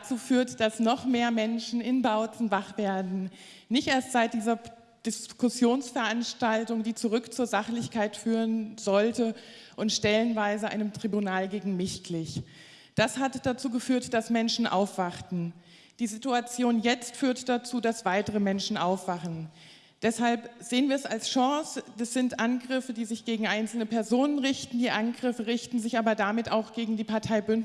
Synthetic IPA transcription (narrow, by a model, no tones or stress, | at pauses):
t͡suːfyːɐtd̥asnɔχmeːɐmɛnʃn̩ɪnbaʊt͡sn̩vaχv̥eːɐdn̩ | nɪçtʔeːɐstz̥aɪt̚d̥iːzɐ | d̥ɪskʊsjoːnsfɛɐʔanʃtaltʊŋdiːt͡suʁʏkt͡suːɐzaχlɪçkaɪtfyːʁənzɔltə | ʔʊntʃtɛlənvaɪzəʔa̰ɪnəmtʁ̥ibunaːlɡeːɡŋ̩mɪçklɪç | d̥ashatd̥at͡suːɡəfyːɐtd̥asmɛnʃn̩ʔa̰ʊfv̥aχtn̩ | d̥iːzituat͡sjoːnjɛt͡stfyːɐtd̥at͡suːdasv̥aɪtəʁ̞əmɛnʃn̩ʔaʊfv̥aχn̩ | d̥ɛshalpz̥eːənviːɐɛsalsʃɔsdɛsz̥ɪntʔanɡʁɪfədiːzɪçɡ̥eːɡŋ̩ʔaɪnsl̩nəpɛɐzoːnənʁɪçtn̩diːʔanɡʁɪfəʁɪçtn̩zɪçʔaːbɐdamɪtaʊxɡ̥eːɡŋ̩diːpaɐtʰaɪbʏn